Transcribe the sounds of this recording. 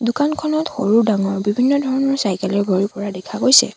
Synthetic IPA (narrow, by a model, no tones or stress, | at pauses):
dʊkankʰɔnɔtxoɹuɹdaŋɔɹbibʱinːɔdʱɔɹɔnɔɹsajkɛlɛɹɡʱoɹiɹpɔɹadɛkʰaɡojsɛ̰